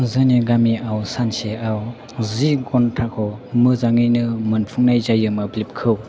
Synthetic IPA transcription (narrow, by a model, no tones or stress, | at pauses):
zɯneɡamiʔawsanseaw | ziɡɔntʰakʰɔmɯzaŋɯjnɯmɯnpʰuŋnajzajɯmɯblip̚kʰɯw